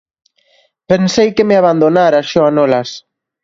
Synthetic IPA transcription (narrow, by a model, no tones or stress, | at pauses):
pensejkemeaβand̪onaɾasʃoanɔlas